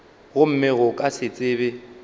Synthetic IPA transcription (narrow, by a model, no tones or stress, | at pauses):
ɣʊm̩mɪɣʊkʼasɪt͡sʼɪːbɪ